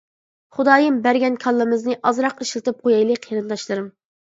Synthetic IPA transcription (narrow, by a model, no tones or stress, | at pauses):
χud̪ɑːjɨmbæɾɡʲɛnkʰɑlˠːɨmɨznɨʔɑzɾɑqiʃlˠɨt̪ɨp̚qʰojɑjlˠɨqʲʰiɾɨnd̪ɑʃlˠɨɾɨm